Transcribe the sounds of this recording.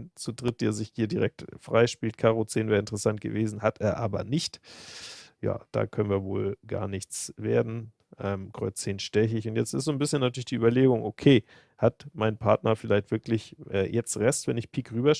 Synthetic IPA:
t͡sudʁɪt̚d̥eːɐzɪçhiːɐdiʁɛk̚tfʁ̥aɪʃpiːltkʰaːʁot͡seːnvɛːʁɪntəʁəsant̚ɡ̥ə̰veːzn̩hatʰeːɐʔaːbɐ̰nɪçt | ja̰ːd̥a̰ːkʰœnənviːɐvo̰ːlɡa̰ːɐnɪçt͡sv̥eːɐdn̩ | ʔɛːmkʁ̥ɔʏt͡st͡seːnʃtɛç̬əɪçʊntjɛt͡stɪstzoːnbɪsçənːatyːɐlɪçd̥iːʔyːbɐleːɡʊŋʔokʰeː | hatmaɪnpʰaɐtnɐfɪlaɪçtv̥ɪɐklɪçʔɛ̰ːjʔɛt͡stʁɛstvɛnɪçpʰiːkʁyːbɐʃ

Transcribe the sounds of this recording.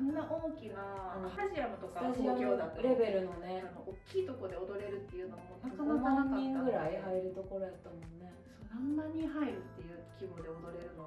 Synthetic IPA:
ãnːaʔoːkʲinãaʑiamɯt̪okat̪aʑiooaɾe̞be̞ɾɯ̟no̞ne̞anoʔokʲːiːt̪o̞ko̞d̪e̞od̪o̞ɾe̞ɾɯ̟t̪ːe̞jɯ̟nomoakanomãɲːĩŋɡɡɯ̟ɾaihaiɾɯ̟t̪o̞ko̞ɾo̞jat̪ːamõ̞nːesod̪ãnːaɲ̟iɦaiɾɯ̟t̪ːe̞jɯ̟kʲibo̞ːd̪eod̪o̞ɾe̞ɾɯ̟no

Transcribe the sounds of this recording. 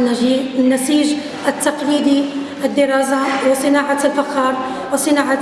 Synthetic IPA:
nːasiːʒ | ʔat̪ːɑqliːd̪i | ɪd̪ːɪɾˤɑːsawɪsˤɨnaːʕalfaxɑːɾˤ | wɪsˤɨnaːʕa

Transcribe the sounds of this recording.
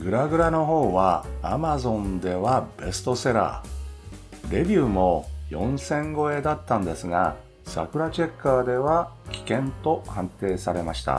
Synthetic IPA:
ɡɯ̟ɾaɡɯ̟ɾano̞ɦo̞ːβaːmazõ̞nd̪e̞βab̥e̞sɨ̥t̪o̞se̞ɾa̰ː | ɾe̞bʲiɯːmo̞jõ̞̰ɰ̃sẽ̞ŋɡo̞e̞d̪at̪ːãnd̪e̞sɨŋa̰ | sa̰kɯ̟ɾat͡ɕe̞kːaːd̪e̞βakʲi̥kẽ̞nt̪o̞hãnt̪e̞ːsaɾe̞maɕi̥t̪a̰

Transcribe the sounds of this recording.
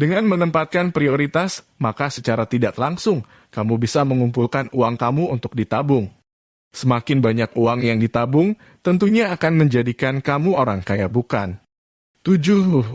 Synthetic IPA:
dəŋanmənəmpat̪̚kanpɾioɾit̪asmakasət͡ʃaɾat̪idaʔlaŋsʊŋ | kamubisaməŋumpulkanuaŋkamuunt̪ʊk̚dit̪abʊŋ | səmakɪnbaɲakuaŋjaŋdit̪abʊŋ | t̪ənt̪uɲaːkanməɲd͡ʒadikankamuoɾaŋkajabukan | t̪ud͡ʒu

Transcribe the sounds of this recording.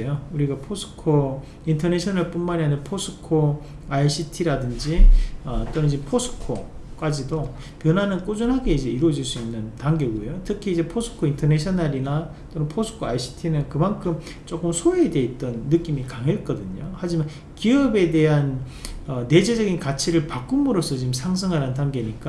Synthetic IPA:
ejouɾiɡapʰosʰɯ̥kʰo | intʰʌneɕʰʌnaɭp͈unmaɲiɦanenpʰosʰɯ̥kʰo | aiɕʰitʰiɾadɯnd͡ʑiʌt͈onɯnd͡ʑipʰosʰɯ̥kʰo̰k͈ad͡ʑido | pjʌnanɯnk͈ud͡ʑunɦaɡe̞id͡ʑe̞iɾwʌd͡ʑiɭs͈uinːɯntaŋɡeɡuejotʰɯkʰiːd͡ʑe̞pʰosʰɯ̥kʰointʰʌneɕʰʌnaɾina | t͈onɯnpʰosʰɯ̥kʰoa̰iɕʰi̥tʰinɯnkɯmankʰɯm | t͡ɕ͈ok͈ɯmsʰoede̞it̚t͈ʌnːɯk͈imikaŋɦet̚k͈ʌdɯɲohad͡ʑiman | kiʌbe̞de̞ɦanʌne̞d͡ʑed͡ʑʌɡinkat͡ɕʰiɾɯɭpak͈umuɾʌs͈ʰʌt͡ɕimsʰaŋs̬ʰɯŋɦaɾandaŋɡe̞ɲik͈a

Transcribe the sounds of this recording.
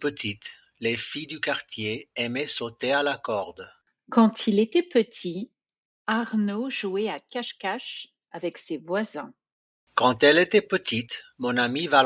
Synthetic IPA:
pət̪ʰit̪ | lefijd̪ykaʁt̪jeɛmɛsot̪ealakɔʁd̪ | kɑ̃t̪ʰilet̪ɛpət̪ʰi | aʁnoʒuɛakaʃkaʃ | avɛksevwazɛ̃ | kɑ̃t̪ɛlet̪ɛpət̪it̪mɔ̃namiva

